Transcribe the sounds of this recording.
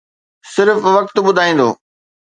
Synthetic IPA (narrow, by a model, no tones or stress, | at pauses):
sɪɾfʋɐk̚t̪ɓʊd̪ʱaːĩːnd̪o̰ː